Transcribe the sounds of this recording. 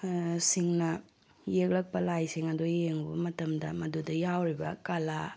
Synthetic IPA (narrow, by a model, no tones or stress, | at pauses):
siŋnɐ | jek̚lɐk̚pɐlajsiŋɐdojeŋbɐmɐtɐmdɐmɐdudɐjawɾibɐkala